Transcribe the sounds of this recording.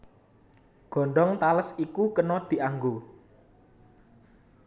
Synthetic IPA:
ɡ̥ɔ̤ɳɖɔŋt̪aləsikukənɔd̪̥i̤ʔaŋɡo

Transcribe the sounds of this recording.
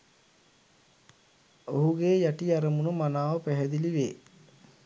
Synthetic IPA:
oɦuɡeːjaʈiaɾəmunumanaːʋəpæɦɛd̪iliʋeː

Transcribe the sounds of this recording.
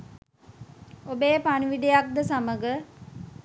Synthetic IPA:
obeːpaniʋid̪ejak̚d̪əsaməɡə

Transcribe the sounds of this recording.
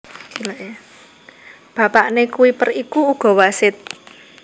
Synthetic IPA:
ilaʔe | b̥a̤paʔnekuwipərikuuɡ̥ɔ̤wasɪt̪̚

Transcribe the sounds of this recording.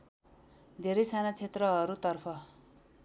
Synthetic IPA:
d̪ʱeɾʌjsanat͡sʰet̪rʌɦʌɾut̪ʌrpʰʌ

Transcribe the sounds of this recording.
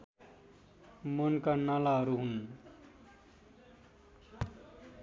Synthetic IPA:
monkanalaɦʌɾuɦun

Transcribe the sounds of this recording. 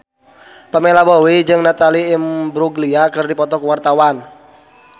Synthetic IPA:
pəmelabowid͡ʒɨŋnat̪aliːmbɾuɡliakɨrdipɔt̪ɔkwart̪awan

